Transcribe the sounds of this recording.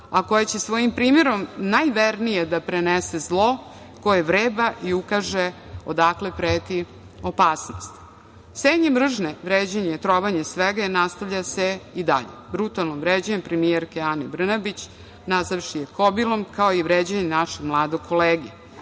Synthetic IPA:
ako̞jet͡ɕesʋo̞jimpɾiːmeɾo̞mnajʋeɾnijed̪apɾenese̞zlˠo̞ | ko̞jeʋɾeːbaʔiukaʒe | od̪akle̞pɾeːt̪i | o̞paːsno̞̰st̪ | seːɲemr̩ʒneʋɾeːd͡ʑeɲejet̪ɾoʋaɲesʋeɡainast̪aʋʎaseid̪a̰ʎebɾut̪alˠnomʋɾeːd͡ʑaɲempɾemijeɾkeanebr̩nabit͡ɕ | nazaʋʃijekobilˠo̞mkao̞iʋɾeːd͡ʑeɲenaʃeɡmlˠaːd̪oɡ̚kʰo̞leːɡi

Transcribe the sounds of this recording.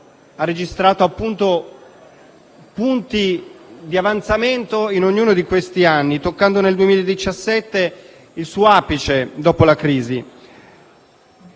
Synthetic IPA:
arːed͡ʒist̪ɾaːt̪oapːunt̪o | punt̪id̪iavant̪sament̪oinoɲːuːnod̪ikwest̪ianːit̪okːand̪oneld̪uemilaed̪it͡ʃasːɛt̪ːe | ilsuːoaːpit͡ʃed̪ɔːpolakɾiːzi

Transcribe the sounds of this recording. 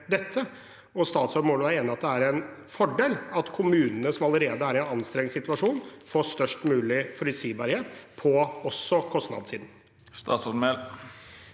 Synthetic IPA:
d̪ɛt̪ʰːə | ɔst̪ɑːt̪sɔmoːləæɾeːnəɾɑt̪̚d̪ɛæɾɛnfɔɖeːlɑt̪kʰʊmʉːnənəsɔmɑləɾeːd̪əæɾɛnɑnst̪ɾɛŋsɪt̪ʋɑʂuːnfoːst̪œʂʈmʉːlɪfɔɾɪsiːbɑɾheːt̪pʰɔɔsːɔkʰɔst̪nɑ̰d̪siːd̪n̩ | st̪ɑ̰ːt̪sɔmɛl

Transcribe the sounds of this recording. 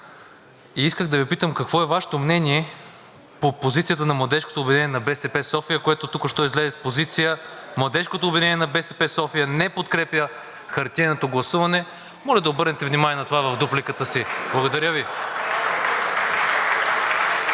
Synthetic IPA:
iiskəxd̪ɐvipit̪əmkɐkvɔɛvaʃɛ̥t̪omnɛniɛ | popozit̪sijət̪ənɐmlˠɐd̪ɛʃko̥t̪oːbvʲinɛnijɛnɐbɛsɛpɛsɔfijəkoɛt̪ot̪ukʊʃt̪ɔizlɛzɛspozit̪sijəmlˠɐd̪ɛʃkot̪oːbvinɛnijɛnɐbɛsɛpɛsɔfijənɛpot̪kɾɛpjə | xɐɾt̪ʲɛnot̪oɡlˠɐsuvɐnɛ | mɔlʲɐd̪ɐobɤɾnɛt̪ɛvnimaniɛnɐt̪ovavɐvd̪uplikət̪əsiblˠɐɡod̪ɐɾʲəvi

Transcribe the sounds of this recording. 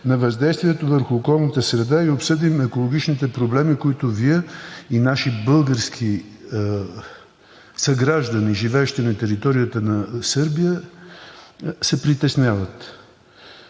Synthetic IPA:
nɐvɐzd̪ɛjst̪viɛt̪ovəɾxʊːkɔlˠnət̪əsɾɛd̪aiopsɤd̪imɛkolˠoɡ̟ʲit͡ʃnit̪ɛpɾoblɛmikoit̪ʊviɛinaʃibɤlˠɡəɾskʰi | sɐɡɾaʒd̪əniʒivɛːʃt̪inɐt̪ɛɾit̪ɔɾijət̪ənɐsɤɾbijə | sɛpɾit̪ɛsnʲjavət̪

